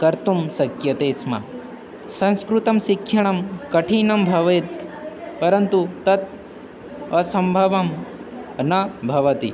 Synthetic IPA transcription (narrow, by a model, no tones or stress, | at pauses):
kɐɾt̪umsɐkjɐt̪eːsmɐ̰ | sɐ̃nskɾut̪ɐmʃikʰːjɐɳ̃ɐmkɐʈʰiːnɐmbʱɐʋɐt̪pɐɾɐnt̪ut̪ɐt̪̚ | ɐsɐmbʱɐʋɐm | nɐbʱɐʋɐt̪ḭ